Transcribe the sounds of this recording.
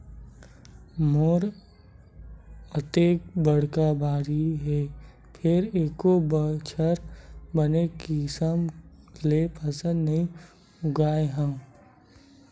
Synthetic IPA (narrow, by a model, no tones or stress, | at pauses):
moːɾ | ət̪eːk̚bəɽ̤kabʱaːɾiɦɛː | pʰɪɾeːkobt͡ʃʰəɾbənekisəmlepəsə̃d̪nɐɦĩ | ʊɡaːeɦə̃ː